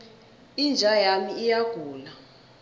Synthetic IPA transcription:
ind͡ʒʱajamiijaɡ̥ʱuːla

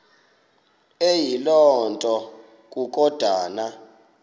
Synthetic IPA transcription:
ejilɔntʼɔ | k̬ʼuk̬ʼɔd̥ʱaːna

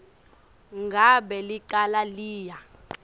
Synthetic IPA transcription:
ŋɡʱaɓɛliǃalaliːja

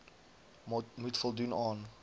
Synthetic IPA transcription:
mutfɔlˠdunɑːn

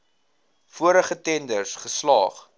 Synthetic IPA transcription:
fuəɾəχətɛndərsχəslɑːχ

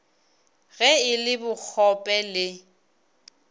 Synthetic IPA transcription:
ɣɛɪlɪbʊk͡xʰɔpʼɛlɪ

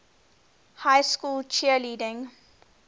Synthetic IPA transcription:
haɪskuːlt͡ʃiəliːdɪ̃ŋ

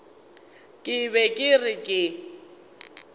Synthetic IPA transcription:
kʼɪbɛkʼɪrɪkʼɪ

